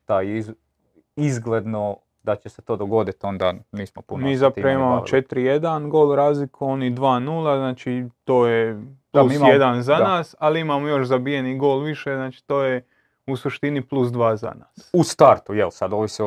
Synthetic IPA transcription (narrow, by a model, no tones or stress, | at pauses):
t̪ajei | izɡled̪no | d̪at͡ɕeset̪oːd̪oɡo̞d̪it̪o̞nd̪a̰niːsmopunmmiːzap̪iɾaʋimmaːmot͡ʃe̞t̪ɾije̞d̪anɡo̞ːlˠɾaːzlikuonid̪ʋaːnulˠaznaːt͡ʃit̪o̞ːjeplusmjed̪anzanaːsaliimaːmojo̞ʃzabijeniɡo̞ːlˠʋiʃeznaːt͡ʃi̥t̪o̞ːje | usuʃt̪iniplˠus̬d̪ʋaːza̰na̰ːsust̪aɾt̪ujḛlsad̪oːʋise